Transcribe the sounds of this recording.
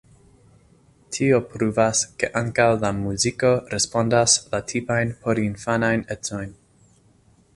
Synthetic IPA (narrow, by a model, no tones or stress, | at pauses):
tʰiopɾuvaskeʔaŋkawlamuziko̞ɾespo̞ndaslatʰipajnpʰo̞ɾinfanajnet͡so̞jn